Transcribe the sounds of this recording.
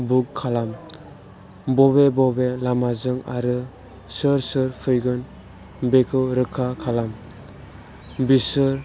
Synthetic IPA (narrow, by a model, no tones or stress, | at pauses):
bukʰːalam | bɔbebɔbelamazɯŋa̰ɾɯ | sɯɾsɯɾpʰɯjɡɯn | bekʰɯwɾɯkʰːakʰalam | bisɯɾ